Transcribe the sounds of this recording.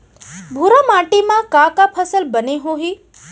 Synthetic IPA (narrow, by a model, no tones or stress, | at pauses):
bʱuɾamaːʈimãkãkapʰəsəlbəneɦoːɦiː